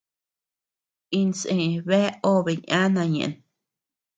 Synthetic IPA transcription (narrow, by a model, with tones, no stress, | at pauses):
i˧nsẽ˧˨βe˦o˦βe˨ɲã˦nã˧ɲḛ̃˨ʔn